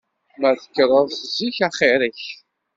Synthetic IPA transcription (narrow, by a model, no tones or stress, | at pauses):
mæθə̥kːəɾˤəðˤθziçaχeɾəç